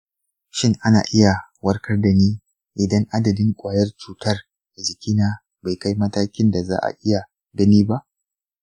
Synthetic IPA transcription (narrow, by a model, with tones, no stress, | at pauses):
ʃɪ˦ŋʔa˦na̰ː˨ʔɪ˦ja˨wɐ˦rkɐ˦rda˨niː˦ | ʔɪ˨dɐ˦ŋʔa˦dɐ˨dɪ˦ŋkʷʼaː˨jɐ˦rt͡ʃuː˨tɐ˦r | a˨zɪ˨kʲiː˦naː˦ | ba˨jka˦jmɐ˦taː˦kʲɪ˦nda˨za̰ː˦ʔa̰˨ʔɪ˦ja˨ | ɡɐ˦niː˦ba˦ʔ